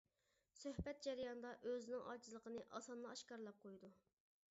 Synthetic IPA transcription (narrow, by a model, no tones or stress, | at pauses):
søhbɛt̪̚d͡ʒɛɾijɑnd̪ɑʔøzɪnɪŋʔɑt͡ʃʰizlˠəqʰənɨʔɑ̰sɑnlˠɑːʃkɑɾlˠɑp̚qʰojd̪u